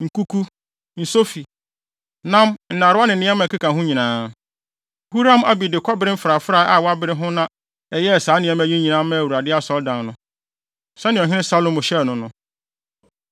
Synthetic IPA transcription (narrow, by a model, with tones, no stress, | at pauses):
ŋ̩˨ku˦kʰu˦ | n̩˨so˦fi˨ | nã˦mn̩˨nã˨ɾʊ˦a˦nɪ̃˨nɪ̃˦ɛ˦mã˨ka˦kʰã˨ɦʊ̃˦ɲĩ˨nãː˦ | hu˦ɾã˦ma˨bi˨dɪ˨kʰɔ˦bɪ˦ɾɪ˦m̩˦fɾa˨fɾa˨˦ʔa˨wa˦bɪ˦ɾɪ˦ɦʊ̃˦nã˦ | ɛ˨jɛ˦˨saː˨˦nɪ̃˨ɛ̃˦mæ˨ɲĩ˦ɲĩ˨nãː˨˦mã˦˨wu˨a˨dɪ˦a˦sɔ˦ldã˨nnʊ̃˦ | sɛ˦nɪ̃˨ɔ˨ɦɪ̃˦ɪ̃˦sa˦lõ˦mʊ̃˨ɕɛ˦˨nʊ̃˨nʊ̃˦